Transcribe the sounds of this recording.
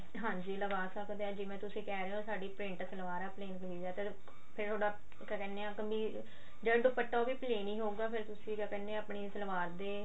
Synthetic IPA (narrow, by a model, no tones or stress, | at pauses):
ɦãːd͡ʒiːləɡaːsəkd̪eɛːd͡ʒɪːmɛ̃ːt̪ʊsĩːkɛːɾeosaːɖiːpɾɪ̃ɳʈsəlʋaːɾɛːpleːnkəliːd͡ʒɛːt̪eː | pʰɪɾt̪ʰoːɽaː | kɛːkɛːneːãːkəmbiː | d͡ʒəɖpəʈːaːbiːpleːnĩːɦoːɡaːpʰɪɾt̪ʊsĩːkɛːkɛːneaːpɳiːsəlʋaːɾd̪eː